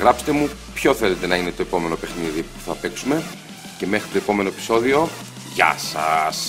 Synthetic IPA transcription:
ɣɾɐpse̥t̪e̞mu | pço̞θele̞t̪e̞nɐine̞t̪o̞epo̞me̞no̞pe̞xniðipu̥θɐpe̞ksume̞ | ce̞me̞xɾit̪o̞epo̞me̞no̞epi̥so̞ðio̞ | ʝɐ̰sɐs

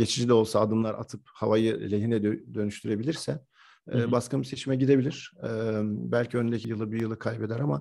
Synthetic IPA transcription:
ɟe̞t͡ʃʰid͡ʒid̪ʲɛo̞lˠsaːd̪ɯmlˠaɾʔa̰t̪ʰɯphavajɯlʲeɦinɛd̪d̪ø̞nyʃt̪ʰyɾe̞bilʲiɾsɛː | baskʰɯmise̞t͡ʃʰimɛɟid̪e̞bilʲiɾ̥ɛbælʲcʰiønynd̪ecʰijɯlˠɯbijɯlˠɯkʰajbed̪ɛɾama

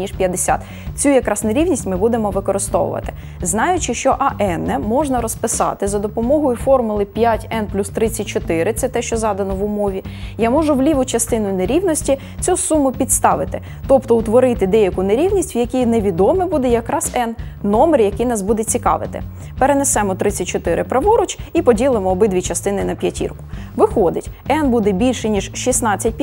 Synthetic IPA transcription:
nʲiʃpʲjɐd̪esʲa̰t̪ | t͡sʲujɐkɾɑsneɾʲiwnʲisʲtʲmɪbud̪emɔʋɪkɔɾɪst̪ɔ̰ʋʊ̰ʋɐ̰t̪ɪ̥ | znɑjʊt͡ʃɪʃt͡ʃɔʔɐʔɛnɛmɔʒnɐɾɔspɪsɑ̰t̪ɪzɐd̪ɔpɔmɔɦɔjʊfɔrmʊlˠɪpʲjatʲɛnplʲust̪ɾɪt͡sʲːɐt̚ʲt͡ʃɔt̪ɪɾɪt̪sɛt̪ɛʃt͡ʃɔzɑd̪ɐnɔʋʊmɔʋʲijamɔʒʊwlʲiʋʊt͡ʃɐst̪ɪnʊjʊneɾʲiwnɔsʲtʲi | t͡sʲusumʊpʲid̪st̪ɑʋɪt̪ɪ | t̪ɔpt̪ɔwt̪ʋɔɾɪt̪ɪd̪ɛjɐkʊneɾʲiwnʲisʲtʲwjɐkʲijneʋʲid̪ɔmɪbud̪ɛjɐkɾɑsɛnnɔmerjɐkɪjnɑsbud̪ɛt͡sʲikɑ̰ʋɪ̰t̪ɪ̰ | peɾenesɛmɔt̪ɾɪt͡sʲːɐt̚ʲt͡ʃɔt̪ɪɾɪpɾɐʋɔɾɔt͡ʃipɔdʲilˠɪmɔːbɪd̪ʲʋʲit͡ʃɐst̪ɪnɪnɐpʲjɐtʲḭrkʊ̥ʋɪxɔd̪ɪtʲɛnbud̪ɛbʲilʲʃɛnʲiʒʃisnɑt͡sʲːɐt̚ʲpʲ

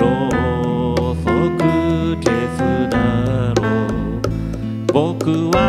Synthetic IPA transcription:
o | sokɯtesɨd̪aɾo | bokɯwa

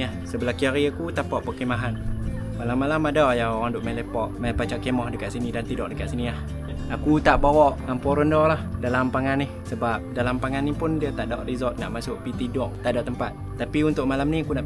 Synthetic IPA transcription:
ahsəbəlahkiaɾiakut̪apɔʔpəkemaɦan | malamːalamadɔʔjaoɣaŋdʊʔmalepɔʔ̚mapat͡ʃaʔkemɔhdəkaʔsinidant̪idɔʔ̚dəkaʔsinilah | akut̪aʔbawɔʔŋampɔɾəndɔlahdalampaŋanɪhsəbap̚dalampaŋanːipʊndiat̪aʔdɔʔrizɔt̪̚ŋa̰ʔmasʊʔpit̪idɔʔ̚t̪aʔdɔʔt̪əmpat̪̚ːapiunt̪ʊʔ̚malamniakuna

